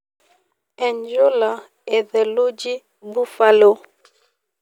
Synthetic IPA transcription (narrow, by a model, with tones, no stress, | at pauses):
ɛ˨ɲd͡ʒo˦la˨ | ɛ˨ðɛ˨lu˦d͡ʒi˦ | bu˦fa˦lo˦